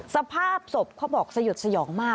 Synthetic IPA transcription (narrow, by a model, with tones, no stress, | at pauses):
sa˧pʰaː˥˩p̚so˨˩p̚kʰaː˥˩bɔː˨˩k̚sa˧ju˨˩t̪̚sa˧jɔː˩˦ŋmaː˥˩